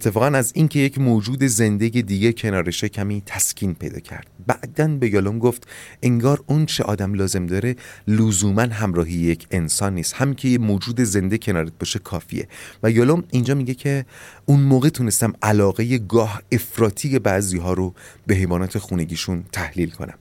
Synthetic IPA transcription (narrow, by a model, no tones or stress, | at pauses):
et̪ʰːe̞fɒːɣænæziŋcʰe̞jecʰmoːd͡ʒuːd̪e̞ze̞nd̪e̞jed̪iːɟecʰe̞nɒːɾeʃecʰæmiːt̪ʰæscʰiːnpʰe̞̰jd̪ɒ̰ːcʰæ̰ɾd̪̥̚bæʔd̪ænbe̞jolomɡoft̪ʔe̞ŋɡɒːɾont͡ʃʰeʔɒ̰ːd̪æmlɒːze̞md̪ɒːɾe̞luzuːmænɦæmɾɒːɦijejecʰe̞nsɒːnːiːst̪hæmiŋcʰe̞jemoːd͡ʒuːd̪e̞ze̞nd̪ecʰe̞nɒːɾet̪̚bɒʃekʰɒːfḭe̞̰væjɒːlomind͡ʒɒːmiɟecʰe̞unmoːɣet̪ʰune̞st̪æmʔælɒːɣe̞je̞ɡɒːhe̞fɾɒːt̪ʰiːjebæʔziːɦɒːɾobe̞ɦe̞jvɒːnɒːt̪ʰe̞xuːne̞ɟiːʃunt̪ʰæhliːlkʰo̞̰næ̰m